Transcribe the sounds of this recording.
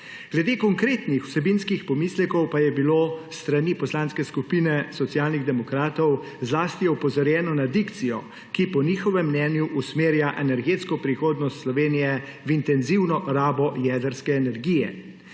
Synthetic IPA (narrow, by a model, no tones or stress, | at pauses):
ɡ̥lɛd̪eːkɔŋkɾeːt̪nixw̥sɛbinskixpɔmislɛkɔwpajɛbilost̪ɾanipɔslanskɛskupiːnɛsɔt̪sijaːlniɣd̪ɛmɔkɾaːt̪ɔw | zlaːst̪ijɛupɔzɔɾjɛːnɔnad̪ikt̪sijɔ | kipɔniːxɔʋɛmːnɛːnjuʔusmeːɾjaʔɛnɛɾɡeːt̪skɔpɾixoːd̪nɔst̪slɔʋeːnijɛwint̪ɛnziwnɔʔɾaːbɔjɛːd̪əɾskɛːnɛɾɡiːjɛ̰